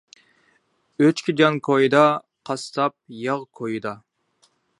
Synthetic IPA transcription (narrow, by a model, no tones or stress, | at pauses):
øt͡ʃkʲʰid͡ʒɑnkʰojɨd̪ɑ | qʰɑst̪ʰɑp̚jɑʁkʰojɨd̪ɑ